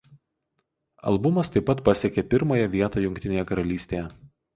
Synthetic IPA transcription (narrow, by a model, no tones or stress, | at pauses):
ɐ̰lˠbʊmɐst̪ɐɪpːɐt̪pɐsʲekʲepʲɪɾmoːjɛʋʲiɛt̪oːjʊŋʲk̚ʲt̪ʲɪnʲeːjɛkɐɾɐlʲiːsʲt̪ʲeːjɛ